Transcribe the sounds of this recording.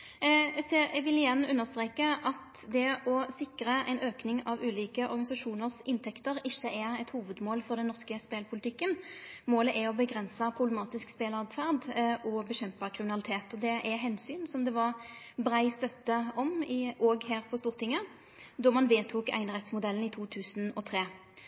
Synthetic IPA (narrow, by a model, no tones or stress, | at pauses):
seʋɪlɪjɛnːʉnːəʁst̪ɾeːkəʔɑt̪ | d̪ɛɔsɪkɾəʔɛ̰ɪnøːknɪŋɑʋʉːliːkəʔɔ̰ɾɡɑɪsɑʂuːnəʁsɪnt̪ʰɛkt̪əɾɪçːəʔæʁɛt̪huːʋəd̪moːlfɔʁd̪ɛnːɔʁskəspeːlpʰʊlɪt̪ʰɪkːənmoːləʔɛɔbəɡʁɛnsəpʰɾʊblɛmɑːt̪ɪskspeːlɑd̪fæʁd̪ʔɔbəɕɛmpəkʰʁɪmɪnɑlɪt̪ʰeːt̪ɔd̪ɛʔæɦɛnsyːnsɔmd̪ɛʋɑʁ | bɾæɪst̪œt̪ːəɔmɪʔɔɡhæːʁpʰɔst̪uːʁt̪ʰɪŋːə | d̪ɔʁmɑnʋeːt̪ʰuːkæ̰ɪnəʁɛt̪smʊd̪ɛlən̩ɪt̪ʰuːt̪ʰʉːsənɔt̪ʰʁeː